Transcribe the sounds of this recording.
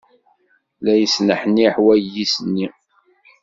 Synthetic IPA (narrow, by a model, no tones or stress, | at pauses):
læjəsnəħnːiħwæjjisənːi